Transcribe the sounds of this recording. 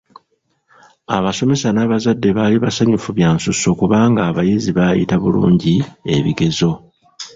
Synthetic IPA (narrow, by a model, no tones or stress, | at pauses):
a̰βaso̞me̞sanaβazadːe̞βaliβasaɲufuβjaːnsuso̞kuβaːŋɡaːβajiziβajḭtaβulṵːɲɟie̞βḭɡe̞zo̞